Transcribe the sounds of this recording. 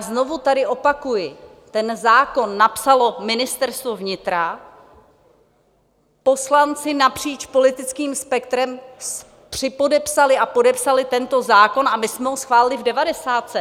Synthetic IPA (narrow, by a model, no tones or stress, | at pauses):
zno̞vut̪adɪʔo̞pakujɪ | t̪ɛnzaːko̞nːapsalo̞mɪnɪst̪ɛɾst̪vovɲɪt̪ɾa | po̞slant͡sɪnapr̝̥iːt͡ʃpo̞lɪt̪ɪt͡skiːmspɛk̚t̪ɾɛms | pr̝̥ɪpo̞dɛpsalɪʔapo̞dɛpsalɪt̪ɛnt̪o̞zaːko̞namɪsmɛɦosxvaːlɪlɪvdɛvadɛsaːt̪sɛ